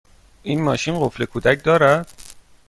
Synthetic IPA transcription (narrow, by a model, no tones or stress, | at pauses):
ʔiːnmɒ̰ːʃinɢoflekʰuːd̪æc̚ʰd̪ɒːɾæd̪̥